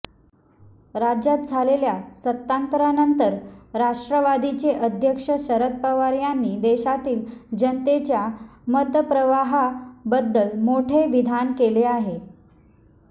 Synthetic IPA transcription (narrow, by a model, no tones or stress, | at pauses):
ɾad͡ʑat̪̚d͡zʱaleljasət̪ːant̪ɾanənt̪əɾɾaʂʈɾəʋad̪ʱit͡ɕeʔəd̪ʱjəkʂəɕəɾət̪̚pəʋaɾjanːiːd̪eɕat̪iːld͡ʑənt̪et͡ɕjamət̪əpɾəʋaɦabəd̪ːəlmoʈʰeʋid̪ʱankeleaɦe